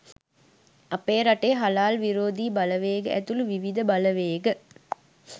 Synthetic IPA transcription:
apeːɾaʈeːɦalaːlʋiɾoːd̪iːbaləʋeːɡəʔæt̪uluʋiʋid̪əbaləʋeːɡə

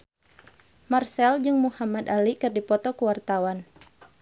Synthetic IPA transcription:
marsɛld͡ʒɨŋmuhamad̪alikɨrdipɔt̪ɔkəwart̪awan

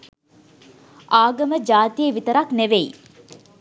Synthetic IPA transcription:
ʔaːɡɐməd͡ʒaːt̪ijəʋit̪əɾakneʋeḭ

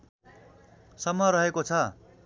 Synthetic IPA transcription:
sʌmːʌɾʌɦekot͡sʰʌ

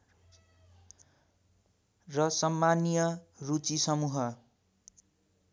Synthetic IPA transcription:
rʌsʌmːanijʌrut͡sisʌmuɦʌ

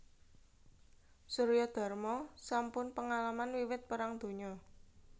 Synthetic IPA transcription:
suɾjɔd̪̥a̤rmɔsampʊnpəŋalamanwiwɪt̪̚pəɾaŋd̪̥o̤ɲɔ

